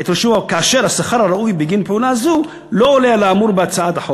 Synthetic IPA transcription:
et̪ɾoʃuvakaːʃe̞ɾhasaχaɾhaɾaujbiɡinpeunazu | lo̞ːlealaamuɾbeat͡saat̪aħo

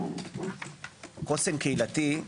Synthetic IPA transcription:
kosemkeilat̪i

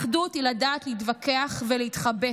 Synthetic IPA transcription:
χdutiladaːtleitvakeaχveleit̪χabe

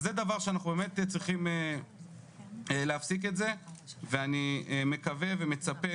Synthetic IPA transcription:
zed̪avaʁʃeanaχubemett͡sʁiχime | eleafsike̞tze̞veanieme̞kave̞veme̞t͡sape

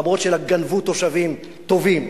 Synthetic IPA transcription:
amo̞tʃelaɡanvut̪ːo̞ʃavim | t̪o̞vim

